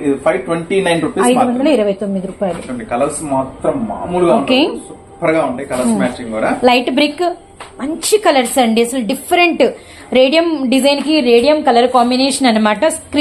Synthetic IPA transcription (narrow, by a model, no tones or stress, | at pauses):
id̪ipʰɐjʋʈʋeɳʈinɐjnɾupeːɐɐjd̪ɐɖ̪ɐlɐiɾɐʋɐjt̪omːid̪iɾuːpaːjɐluɐɳɖekɐlɐɾsmaːt̪ɾɐmːa̰ːmuluɡaoːuɳkeːsu | bɐɾɐɡaːuɳʈekɐlɐɾmaːt͡ʃiɡkuːɽaːlɐjʈbɾikː | mɐɲt͡ʃikɐlɐɾsɐɳɖiɐsɐlɐɖifʰːɐɾeɳʈ | ɾeːɖijɐmɖid͡ʒɐjnkiɾeːɖijɐmkɐlɐɾkaːmbineːʂɐnɐnːɐmaːʈɐskɾː